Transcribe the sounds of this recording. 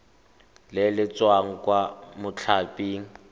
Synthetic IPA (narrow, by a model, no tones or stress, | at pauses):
lɪlɪt͡swaŋ̩kwamʊt͡ɬʰapʼiːŋ̩